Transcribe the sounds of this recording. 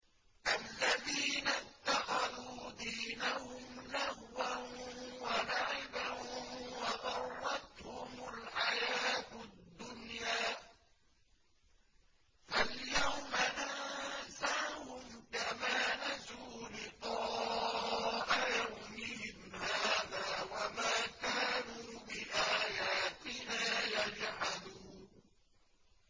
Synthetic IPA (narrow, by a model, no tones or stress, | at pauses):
ʔalːaðiːnat̪ːɑxɑðuːd̪iːnahʊmlahwanwanaʕɪbawɑʔɑrˤːɑt̪hʊmʊlħajaːt̪d̪ːʊnjaː | faljawmanasahʊmkamaːnazuːlɪqɑː | ʔajawmɪhɪmhaːðaːwamaːkaːnuːbɪʔaːjaːt̪ɪnaːjad͡ʒʕanuːn